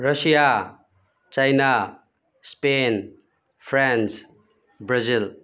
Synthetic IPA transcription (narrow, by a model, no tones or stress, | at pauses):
ɾɐsija | t͡ʃajna | spen | pʰɾans | bɾazil